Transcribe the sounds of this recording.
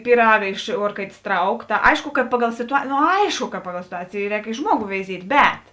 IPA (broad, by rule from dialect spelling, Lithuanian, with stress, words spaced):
pʲiːˈrɑːɡɐ ɪʃ ˈuɔrkɐɪtʲeːs ˈtrɐʊk tɐ ˈɐɪʃkʊ kɐt ˈpɑːˌɡɐlˠ sʲɪtʊɐ noː ˈɐɪʃkʊ kɐ ˈpɑːˌɡɐlˠ sʲɪtʊˈɑːt͡sʲeːjeː ˈrʲɛːk ɪ ˈʒmuɔɡʊ ʋʲɛɪˈzʲiɛtʲ ˈbʲɛt